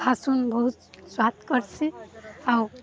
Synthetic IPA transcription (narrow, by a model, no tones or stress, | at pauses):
bʱasunbʌɦut̪swat̪kʌɾsʰiaw